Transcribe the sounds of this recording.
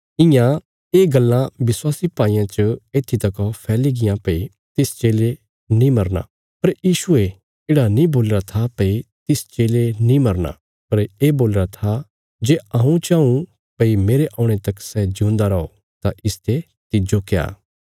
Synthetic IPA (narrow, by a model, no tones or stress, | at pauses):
ɪ̃jã | eːɡɐlːãʋɪswaːsipaːijãt͡ʃəeːt̪ʰːit̪ɐkɔpʰɛːliɡɪjãpɐi | t̪ɪst͡ʃeːle | nĩmɐɾna̰ | pɐɾjiːʃue | eːɽanĩboːlɾat̪ʰapɐit̪ɪst͡ʃeːlenĩmɐɾna̰ | pɐɾeːboːlɾat̪ʰa | d͡ʒeːaːũt͡ʃãːũ | pɐimeːɾeʔãːʊ̃ɽ̃et̪ɐksɛd͡ʒũːnd̪aɾɐo | t̪aʔɪst̪ʰe | t̪ɪd͡ʒokea̰ː